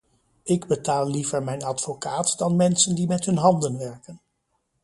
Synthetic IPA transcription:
ɪɡbətaːlˠlivəɹmɛjnɑtfokaːtdɑnmɛnsəndimɛtɦɵnɦɑndənʋɛɹkən

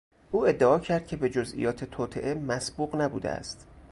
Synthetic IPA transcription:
ʔuːe̞d̪ːeʔɒːcʰæɾd̪̚cʲʰe̞be̞d͡ʒozḭjɒːt̪ʰe̞t̪ʰɒːt̪ʰḛʔemæsbuːɣnæbṵːd̪ḛæ̰st̪

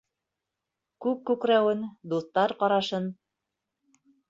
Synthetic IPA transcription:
kʉk̚kʉkɾæwɘnd̪uθt̪ɑɾqɑɾɑʃɤn

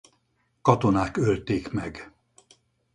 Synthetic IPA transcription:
kɒt̪onaːkølt̪eːkmɛɡ

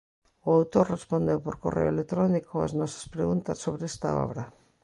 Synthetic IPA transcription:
ʊawt̪oɾrespond̪ewpoɾkorʔḛoelek̚t̪ɾɔnikoa̰znɔsɐ̥spɾeɣunt̪ɐsːoβɾeɛst̪a̰ɔ̰βɾɐ

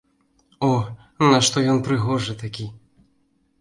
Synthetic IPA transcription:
ɔ | nɐʂt̪ɔjɔnpɾɨɣɔʐɨt̪akʲi

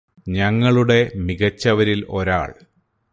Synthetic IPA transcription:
ɲɐŋːɐɭuɽe̞miɣɐt͡ɕːɐʋɐɾilo̞ɾa̰ːɭ

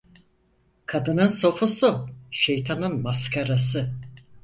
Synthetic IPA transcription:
kʰad̪ɯnɯnso̞fusuʃejt̪ʰanɯnmaskʰaɾas̬ɯ

